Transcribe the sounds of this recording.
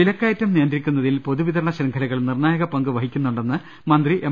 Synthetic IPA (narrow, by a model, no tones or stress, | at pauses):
ilɐkːaːjɐtːɐmnijɐnd̪rikʲːunːɐðilpoðuʋitðɐɾɐɳɐɕɾɐŋɡʰʱɐlɐɣɐɭumnirnaːjɐɣɐpɐŋɡɨʋɐɦikʲːunːuɳɖenːɨ | mɐnd̪riʔe